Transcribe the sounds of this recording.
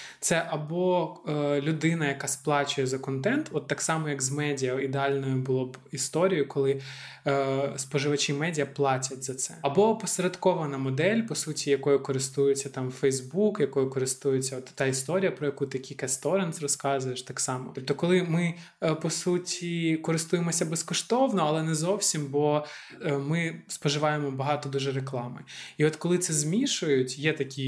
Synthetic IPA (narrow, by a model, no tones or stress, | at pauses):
t̪sɛʔɐbɔ | lʲʊd̪ɪnɐjɐkɑsplˠɑt͡ʃʊjɛzɐkɔnt̪ɛnt̪ɔt̪ːɑksɑmɔjɐkzmɛdʲijɐid̪eɑlʲnɔjʊbʊlˠɔbist̪ɔɾʲijʊkɔlˠɪ | spɔʒɪʋɐt͡ʃʲimɛdʲijɐplˠɑtʲɐtʲzɐt̪sɛɐbɔpɔsɐɾʲɐt̪kɔʋɐnɐmɔd̪ɛlʲpɔsutʲijɐkɔjʊkɔɾɪst̪ujʊt͡sʲːɐt̪ɑmfɛjzbukjɐkɔjʊkɔɾɪst̪ujʊt͡sʲːɐɔt̪ːɑist̪ɔɾʲijɐpɾɔjɐkut̪ɪkʲikɐst̪ɔɾɛnsrɔskɑzʊjeʃt̪ɑksɑmɔt̪ɔp̚t̪ɔkɔlˠɪmɪ | pɔsutʲikɔɾɪst̪ujemɔsʲɐbɛskɔʃt̪ɔwnɔɐlˠɛnɛzɔwsʲimbɔ | mɪspɔʒɪʋɑjemɔbɐɦɑt̪ɔd̪uʒɛɾeklˠɑmɪiɔt̪kɔlˠɪt̪sɛzmʲiʃʊjʊtʲjɛt̪ɐkʲi